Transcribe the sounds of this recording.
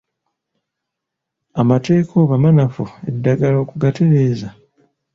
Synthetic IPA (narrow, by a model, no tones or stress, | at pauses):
amate̞ːkʰoβamanafuedːaɡalo̞ːkuɡateɾeːza